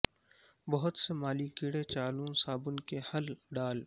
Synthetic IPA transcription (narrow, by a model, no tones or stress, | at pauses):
bɐɦʊt̪semaːlikiɽet͡ʃaːlõsaːbʊnkehɐlɖaːl